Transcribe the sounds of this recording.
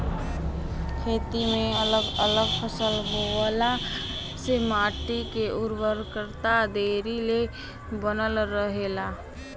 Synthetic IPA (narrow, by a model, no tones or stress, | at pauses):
kʰeːt̪imẽələɡələɡpʰəsəlbola | semaːʈikeʔʊɾwəɾkəɾt̪ad̪eːɾile | bənəlɾəɦela